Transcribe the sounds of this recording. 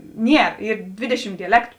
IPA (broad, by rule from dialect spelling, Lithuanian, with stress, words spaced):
ˈnʲiɛr ˈiːr ˈdʲʋʲeːdʲɛˌʃʲɪm dʲɛˈlʲæːktʊ